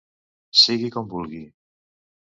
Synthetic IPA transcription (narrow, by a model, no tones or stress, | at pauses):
siɣikɔmbulˠɣi